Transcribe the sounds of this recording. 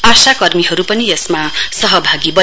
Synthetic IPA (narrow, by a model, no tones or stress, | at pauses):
asakʌrmiɦʌɾupʌnijʌsmasʌɦʌbʱaɡibʌ